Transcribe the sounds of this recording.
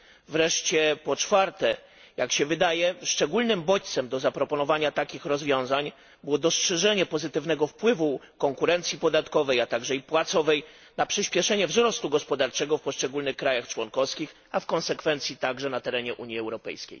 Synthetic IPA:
vɾɛʂt͡ɕɛpɔt͡ʂfaɾt̪ɛ | jakɕɛvɘd̪ajɛʂt͡ʂɛɡulnɘmbɔt͡ɕt̪sɛmd̪ɔzapɾɔpɔnɔvaɲat̪akʲixɾɔzvʲjɔ̃w̃zaɲ | bɘwɔd̪ɔstʂɛʐɛɲɛpɔzɘt̪ɘvnɛɡɔfpwɘvu | kɔŋkuɾɛnt̪sʲjipɔd̪at̪kɔvɛjat̪aɡʐɛipwat̪sɔvɛj | napʂɘɕpʲjɛʂɛɲɛvzɾɔst̪uɡɔspɔd̪aɾt͡ʂɛɡɔfpɔʂt͡ʂɛɡulnɘxkːɾajaxt͡ʂwɔnkɔfskʲix | afkɔ̃nsɛkfɛnt̪sʲjit̪aɡʐɛnat̪ɛɾɛɲɛʔuɲjiɛwɾɔpɛ̰jskʲḛj

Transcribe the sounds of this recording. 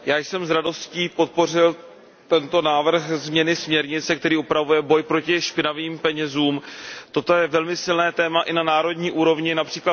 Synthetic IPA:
jaːjsɛmzɾado̞sciːpo̞t̪̚po̞r̝ɪl | t̪ɛnt̪o̞naːvr̩xzmɲɛnɪsmɲɛɾɲɪt͡sɛkt̪ɛɾiːupɾavujɛbo̞jpɾo̞cɪʃpɪnaviːmpɛɲɛzuːmt̪ot̪o̞jɛvɛlmɪsɪlnɛːt̪ɛːmaʔɪnanaːɾo̞dɲiːʔuːɾo̞vɲɪnapr̝̥iːkla

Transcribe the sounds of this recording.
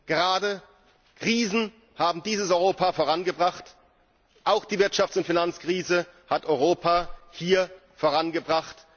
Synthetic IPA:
ɡ̥əʁaːdə | kʁ̥iːzn̩ | haːbm̩diːzəsɔʏʁoːpafoːʁanɡəbʁaχt | ʔaʊxd̥iːvɪɐtʃaftt͡sʊntfinant͡skʁ̥iːzəhatʔɔʏʁoːpʰahiːɐ | foːʁanɡəbʁaχt

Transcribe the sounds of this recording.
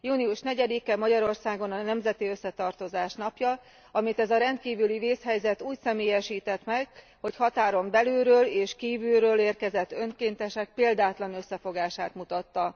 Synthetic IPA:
juːniuʃnɛɟɛd̪ikɛmɒɟɒɾo̞rsaːɡo̞nɒnɛmzɛt̪iø̞sːɛt̪ɒrt̪o̞zaːʃnɒpjɒ | ɒmit̪ɛzɒɾɛnt̪kiːvyliveːshɛjzɛt̪uːcsɛmeːjɛʃiːt̪ɛt̪mɛɡ | ho̞chɒt̪aːɾo̞mbɛløːɾøːleːʃkiːvylɾøːleːrkɛzɛt̪ːø̞ŋkeːnt̪ɛʃɛk̚peːld̪aːt̪lɒnø̞sːɛfo̞ɡaːʃaːt̪mut̪ɒt̪ːɒ

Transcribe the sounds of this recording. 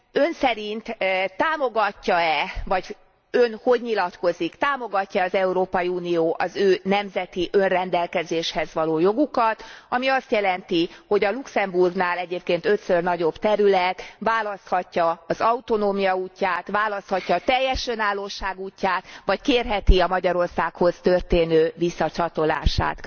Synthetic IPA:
ø̞nsɛɾint̪t̪ːaːmo̞ɡɒcːɒɛvɒɟ | ønho̞ɟɲilɒt̪ko̞zikt̪aːmo̞ɡɒcːɒːzɛuɾoːpɒjiuːnijoːʔɒzøːnɛmzɛt̪iʔø̞nrɛnd̪ɛlkɛzeːʃhɛzʋɒloːjo̞ɡukɒt̪ɒmiɒst̪jɛlɛnt̪iho̞ɟɒluksɛmburɡnaːlɛɟeːpkeːnt̪ø̞t̪sørnɒɟo̞bt̪ɛɾylɛt̪ʋaːlɒst̪hɒcːɒɒzɒut̪o̞noːmijɒuːcːaːt̪ʋaːlɒst̪hɒcːɒːt̪ɛjːɛʃønaːlːoːʃaːɡuːcːaːt̪ʋɒckeːrɦɛt̪iɒmɒɟɒɾo̞rsaːkho̞st̪ø̞rt̪eːnøːvisːɒt͡ʃɒt̪o̞la̰ːʃa̰ːt̪

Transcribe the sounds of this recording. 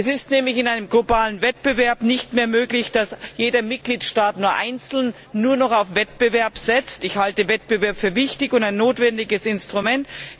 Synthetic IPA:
ʔɛsɪstnɛːmlɪçɪnaɪnəmɡlobaːlənvɛt̚b̥əvɛɐpnɪçtmeːɐmøːklɪçd̥asjeːdɐmɪt̚ɡ̥liːtʃtaːtnuːɐʔa̰ɪnt͡sl̩nː | uːɐnɔχaʊfv̥ɛt̚b̥əvɛɐpz̥ɛt͡stɪçhaltəvɛt̚b̥əvɛɐpfyːɐvɪçtɪçʊntaɪnːoːtv̥ɛndɪɡəsɪnstʁ̥umɛnt

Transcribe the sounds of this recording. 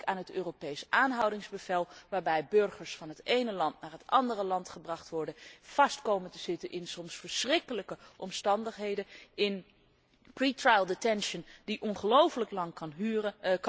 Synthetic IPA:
kaːnɦətøːropejsʔaːnɦɑwdɪŋzbəvɛlˠʋaːɹbɛjbɵɹχəɹsfɑnɦətejnəlɑntnaːɹɦətɑndərəlɑntχəbrɑχtʋɔɹdəv̥ɑstkowməntəz̥ɪtənʔɪnsɔmsfəɹsrɪkələkəʔɔmstɑndəχɦejdəɪn | pritrajlˠdetɛnʃəndiʔɔnχəlowfələklɑŋ

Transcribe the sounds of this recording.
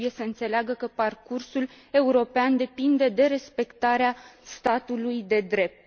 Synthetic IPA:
uje̞səɨnt̪se̞leaɡəkəparkursul | e̞uɾo̞peand̪e̞pind̪e̞d̪e̞ɾe̞spe̞kt̪aɾeast̪at̪ulujd̪e̞d̪ɾe̞p̚t̪

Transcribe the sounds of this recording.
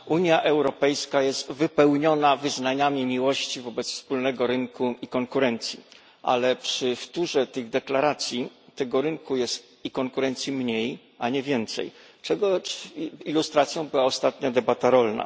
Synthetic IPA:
uɲjaʔɛwɾɔpɛjskajɛst̪vɘpɛwɲɔnavɘznaɲamʲimʲiwɔɕt͡ɕivɔbɛt̪sfspulnɛɡɔɾɘŋkuikɔŋkuɾɛnt̪sʲjḭ | ʔa̰lɛpʂɘft̪uʐɛt̪ɘɣd̪ɛklaɾat̪sʲjit̪ɛɡɔɾɘŋkujɛst̪ | ikɔŋkuɾɛnt̪sʲjimɲej | ʔaɲɛvʲjɛnt̪sɛ̰j | t͡ʂɛɡɔ | ilust̪ɾat̪sʲjɔ̃w̃bɘwaɔst̪at̪ɲad̪ɛbat̪aɾɔlna̰

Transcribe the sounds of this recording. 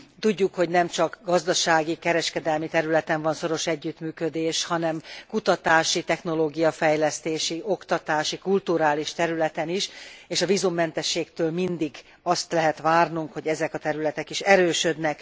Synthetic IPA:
t̪uɟːukho̞ɟnɛmt͡ʃɒkɡɒzd̪ɒʃaːɡikɛɾɛʃkɛd̪ɛlmit̪ɛɾylɛt̪ɛɱvɒnso̞ɾo̞ʃɛɟːyt̪myːkød̪eːʃhɒnɛmkut̪ɒt̪aːʃit̪ɛxno̞loːɡijɒfɛjlɛst̪eːʃio̞kt̪ɒt̪aːʃikult̪uɾaːliʃt̪ɛɾylɛt̪ɛniʃeːʃɒvizumːɛnt̪ɛʃːeːkt̪øːlmind̪iɡ | ɒst̪lɛɦɛt̪ʋaːrnuŋkhoɟɛzɛkɒt̪ɛɾylɛt̪ɛkiʃɛɾøːʃød̪nɛk

